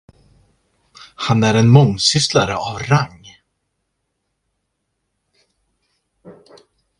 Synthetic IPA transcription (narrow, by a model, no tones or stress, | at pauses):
hanːɛɾɛnmɔŋːsʏst̪laɾɪavraŋ